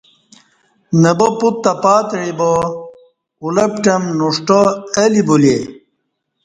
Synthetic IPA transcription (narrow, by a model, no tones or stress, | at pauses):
nɐboput̪ːɐpaːt̪ɻibo | ulɐpʈɐmnuʂʈoɐlibule